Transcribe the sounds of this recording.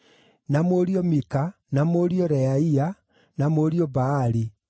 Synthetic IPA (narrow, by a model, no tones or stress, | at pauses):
namoɾiɔmika | namoɾiɔɾɛaia | namoɾiɔbaːɾi